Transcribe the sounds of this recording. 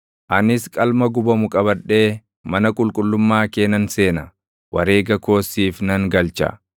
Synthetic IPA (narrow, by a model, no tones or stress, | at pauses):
ʔɐnɪskʼɐlmɐɡʊbɐmʊkʼɐbɐᶑe̞ː | mɐnɐkʼʊlkʼʊlːʊmːaːke̞ːnɐnse̞ːnɐ | wʔɐɾe̞ːɡɐko̞ːsːiːfnɐŋɡɐlt͡ʃɐ̰